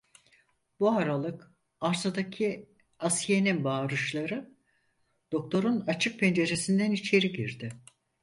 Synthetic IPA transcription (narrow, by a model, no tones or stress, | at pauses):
buaɾalˠɯk | aɾsad̪acʰi | asje̞ninbaːɾɯʃlˠaɾɯ | d̪̥o̞k̚t̪ʰo̞ɾunat͡ʃʰɯk̚pʰend͡ʒe̞ɾe̞sind̪ænit͡ʃʰe̞ɾiɟiɾd̪ɪ